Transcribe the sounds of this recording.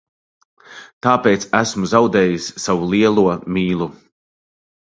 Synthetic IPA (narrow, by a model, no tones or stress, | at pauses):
t̪aːpɛːt̪sæsmuzawd̪ɛːjisːavulˠiɛlˠuɔmiːlˠu